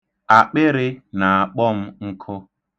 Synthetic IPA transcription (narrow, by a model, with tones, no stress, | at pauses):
a˨k͡pɪ˦ɾɪ˦na˨a˨k͡pɔ˦m̩˦ŋ̩˦kʰʊ˦